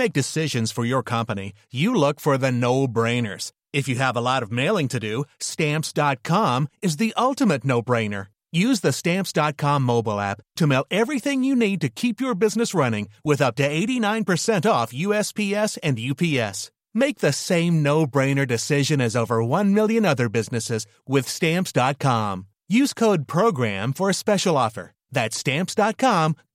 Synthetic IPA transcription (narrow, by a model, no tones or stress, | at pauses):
meɪk̚d̥ɨsɪʒɨ̃nz̥fə˞jə˞kʰʌ̃mpɨnḭ | jɨlʊkfə˞ðɨnoʊbɹẽɪ̃nə̰˞z̥ | ɨfjɨːvəlɔɾʌvmeɪlˠɪ̃ŋtʰɨdɨstæ̃mpsd̥ɑt̚kʰɑ̃mɨzðiʔʔʌlˠtɨmɨtⁿnoʊbɹẽɪ̃nə̰˞ | jʉzðɨstæ̃mpsd̥ɑt̚kʰɑ̃mːoʊbl̩ˠæ̰p̚tʰɨmeɪlˠɛvɹiθɪ̃ŋjɨnid̚tɨkʰipjə˞bɪznɨsɹʌnɪ̃ŋwɪðʌp̚tɨeɪɾinãɪ̃npə˞sɛ̃ntɔfjʉɛspʰiɛsɨ̃njʉpʰiɛ̰s | meɪk̚ðɨsẽɪ̃mnoʊbɹẽɪ̃nə˞dɨsɪʒɨ̃nɨzoʊvə˞wʌ̃nmɪlˠjɨ̃nʌðə˞bɪznɨsɪz | wɪð̥stæ̃mpsd̥ɑt̚kʰɑ̃m | jʉz̥kʰoʊd̚pʰɹ̥oʊɡɹæ̰̃ɱfə˞ɨspɛʃl̩ˠɔfə̰˞ | ðɨtstæ̃mpsd̥ɑt̚kʰɑ̃m